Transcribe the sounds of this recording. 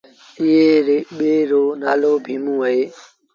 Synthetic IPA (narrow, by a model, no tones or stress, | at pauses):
ɪɦeːɾeɓeːɾoːnaːloːbʱĩːmũːɦəɦeː